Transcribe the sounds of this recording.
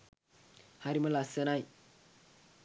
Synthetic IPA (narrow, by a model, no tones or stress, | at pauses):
haɾiməlasənaj